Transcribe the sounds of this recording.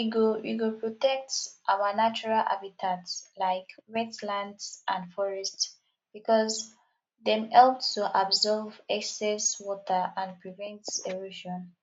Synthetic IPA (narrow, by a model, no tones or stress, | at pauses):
iɡowḭɡopʰɹɔtɛk̚tʔawənat͡ʃuɹalʔa̰bitʰatslaɪkɹɛtlãndsʔãndfɔɹɛsts | b̥ikɔz | ðɛ̃mɛlpsoʔabzɔvɛksɛswɔtʰəãnpɹivɛ̃ntseɹuʃɔ̃n